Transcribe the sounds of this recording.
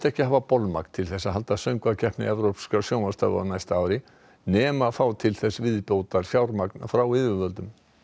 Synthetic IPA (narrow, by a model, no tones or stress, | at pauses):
t̪ɛhcɪhaːvapɔlma̰knt̪ʰɪlθɛsːaɦalt̪asœŋkvacʰɛhpnɪ̰ɛvɾowpskasjoːwmast̪aɔ̰najst̪aaːwɾɪ | nɛːmafaːwt̪ʰɪlθɛsːvɪðpjoːwt̪aɾ̥fjaːwɾmaknafɾawɪvʏvœlt̪ʏm